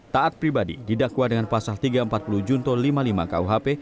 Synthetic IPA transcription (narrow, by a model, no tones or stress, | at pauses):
t̪aʔat̪̚pɾibadḭdidakuadəŋanpasalt̪iɡaəmpat̪̚pulud͡ʒunt̪ɔlimalima̰ka̰uɦape